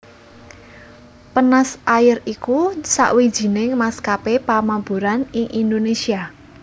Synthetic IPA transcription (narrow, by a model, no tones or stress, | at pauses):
pənasʔajɪrikusa̰ʔwid̥ʒ̥i̤nɪŋmaskapepamab̥uɾanɪŋʔind̪onesia